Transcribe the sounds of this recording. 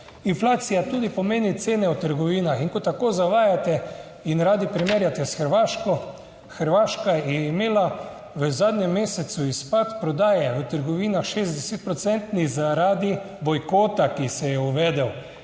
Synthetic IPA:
inflaːt̪sijat̪uːd̪ipɔmeːnit̪seːnɛwt̪əɾɡɔʋiːnaxiŋkɔt̪akoːzaʋaːjat̪ɛ | inɾaːd̪ipɾimeːɾjat̪ɛsxəɾʋaːʃkɔ | xəɾʋaːʃkajɛjɛimeːla | ʋəzaːd̪ɲɛmːeːsɛt̪suispat̪pɾɔd̪aːjɛʋət̪əɾɡɔʋiːnaxʃezd̪ɛsɛt̪̚pɾɔt̪sɛnt̪nizaɾaːd̪i | bɔjkoːt̪akisɛjɛuʋɛːd̪ɛw

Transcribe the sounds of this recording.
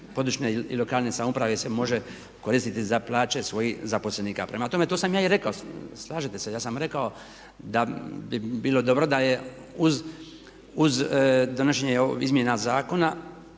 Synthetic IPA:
po̞d̪uʃneilo̞kaːlnesamupɾaʋesemo̞ʒe | ko̞ɾiːst̪it̪izaplaːt͡ɕe̞sʋo̞jihzapo̞sleniːka̰pɾʔemat̪o̞me̞t̪oːsamjaːiɾe̞kaoslˠaːʒet̪e̞se̞jaːsamɾe̞kao̞ | d̪abibiːlo̞d̪o̞bɾo̞d̪aje | uz | uzd̪o̞noʃ̬eɲeizmjenazaːko̞na

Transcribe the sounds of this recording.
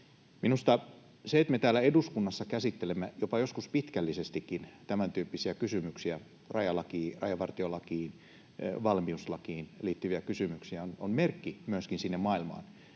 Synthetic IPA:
minust̪ɑ | seet̪met̪æːlːˑæeduskunːɑsːɑkæsit̪ːelemːæjopɑjoskuspit̪kælːisest̪ikːint̪æmænt̪yːpːisiækysymyksiæ | rɑjɑlɑkiːrɑ̰jɑʋɑrt̪iolɑkiːn̰ | ʋɑlmiuslɑkiːnliːt̪ːyʋiækysymyksiæononmerkːimyøskinsinːemmɑilmɑ̰ːn

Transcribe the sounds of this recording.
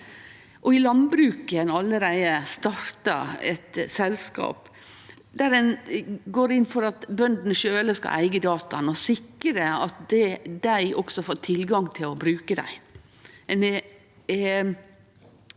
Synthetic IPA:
ʔɔɪlɑnbɾʉːkənɑlːəɾæɪəst̪ɑɾt̪ɑ̰ɛ̰t̪sɛlskɑ̰ːp | d̪æɾɛnɡoːɾɪnːfɔɾɑt̪bœnd̪n̩əʃøːləskɑ̰ʔæɪɡəd̪ɑːt̪ɑnɔsɪkːəɾəɑt̪d̪ɛd̪æɪʔɔksɔfoːʈʰɪlɡɑŋt̪ʰɪlɔbɾʉːkəd̪æ̰ɪ | ɛnɛ

